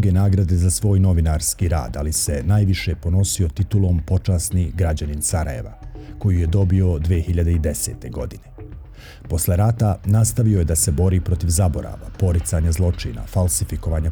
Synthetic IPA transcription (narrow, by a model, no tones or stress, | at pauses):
ɡenaːɡɾad̪e̞zasʋo̞ːjno̞ʋinaɾskiːɾa̰ːd̪alise̞naːjʋiʃe̞po̞no̞sio̞t̪it̪ulˠo̞mpo̞t͡ʃaːsniɡɾad͡ʑaninsaɾa̰jeʋa̰ko̞jije̞d̪o̞bio̞d̪ʋexiʎad̪eid̪e̞se̞ːt̪e̞ɡo̞̰d̪ine̞ | po̞sleɾat̪anast̪aʋioje̞d̪ase̞bo̞ɾiːpɾo̞t̪iʋzabo̞ɾa̰ːʋa̰po̞ɾit̪saːɲazlˠo̞t͡ʃḭːna̰falˠsifiko̞ʋaːɲa